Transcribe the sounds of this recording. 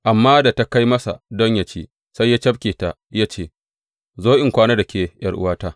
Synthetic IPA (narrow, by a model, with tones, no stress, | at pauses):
ʔa˨mːaː˦da˨ta˦ka˦jmɐ˦sa̰˨dɔ˦ɲja˨t͡ʃeː˦ | sa˦jːaː˦t͡ʃɐ˦b̚kʲeː˨ta˨ | ja˦t͡ʃeː˦˨ | zoː˦ʔɪ˨ŋkʷaː˦na˦da˨kʲʰeː˨jɐ˦ɽʔʊ̰˦waː˦taː˦